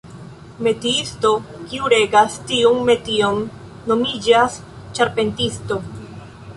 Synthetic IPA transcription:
me̞tiisto̞kiuɾe̞ɡastiunme̞tionː | o̞mid͡ʒas | t͡ʃaɾpe̞ntisto̞

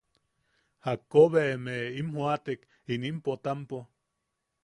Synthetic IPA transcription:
hakːoβemeimhwat̪ek | inimpot̪ampo

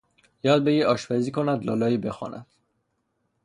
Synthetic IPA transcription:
jɒːd̪̚beɡiɒːʃpæziːkʰonæd̪lɒ̰ːlɒːiːbexɒ̰ːnæ̰d̪̥

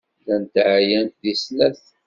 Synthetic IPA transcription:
lænt̪ʕjænðisnæθ

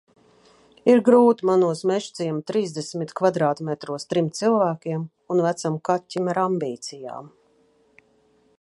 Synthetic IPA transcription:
iɾɡɾuːt̪manuɔsmɛʃt̪siɛmt̪ɾiːzd̪esmit̪kvad̪ɾaːt̪mɛt̪ɾuɔst̪ɾimt̪silˠvæːkʲiɛm | unvæt̪samkat̪ʲːimaɾambiːt̪sija̰ːm

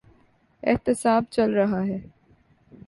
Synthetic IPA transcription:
ɛ̰ɦt̪ɪsaːb̚t͡ʃɐlɾɐɦaɦɛː

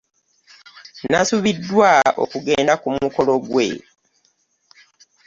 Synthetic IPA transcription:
nasuβidːwao̞̰kuɡe̞ːndakumuko̞lo̞ɡwe̞̰

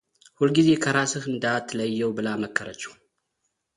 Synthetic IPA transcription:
hulɡize̞kʰɐɾasɨxɨnd̪at̪ʰːɨləjːɛwbɨlaməkːəɾət͡ʃːɛ̥

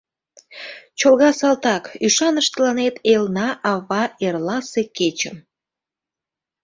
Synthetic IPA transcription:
t͡ɕolɣɑsɑlt̪ɑkyʃɑnəʃt̪əlɑnet̪ʰelnɑʔɑβɑerlɑseket͡ɕəm

